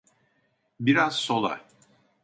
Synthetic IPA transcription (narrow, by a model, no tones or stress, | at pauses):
biɾazso̞lˠa̰